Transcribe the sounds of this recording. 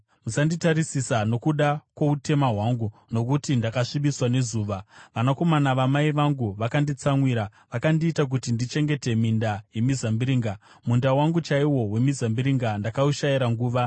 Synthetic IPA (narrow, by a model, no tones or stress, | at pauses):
musanditaɾisisano̞kuɗakwoute̞maɦwaŋɡuno̞k̬utindakaʂiɓiswane̞zuːʋaʋanako̞manaʋamaiʋaŋɡuʋakandit͡samwiːɾaʋakandiːtak̬utindit͡ʃe̞ŋɡe̞te̞mindaje̞mizambiɾiːŋɡa | mundawaŋɡut͡ʃaiwo̞we̞mizambiɾiŋɡandakauʃaiɾaŋɡuːʋa